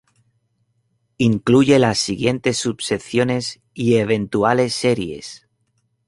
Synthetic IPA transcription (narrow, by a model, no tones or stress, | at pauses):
iŋkluʝe̞lasːiɣje̞nt̪e̞sːubse̞θjo̞ne̞s | ieβ̞e̞nt̪uale̞sːe̞ɾje̞̰s